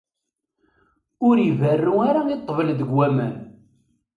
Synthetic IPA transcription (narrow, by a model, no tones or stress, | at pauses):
ʊɾivərːuaɾait̪ˤːvəlðəɡwæmæ̰n